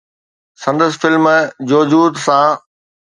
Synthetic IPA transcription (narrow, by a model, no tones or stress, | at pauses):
sɐ̃nd̪əsfɪlmd͡ʑoːd͡ʑuːt̪sãː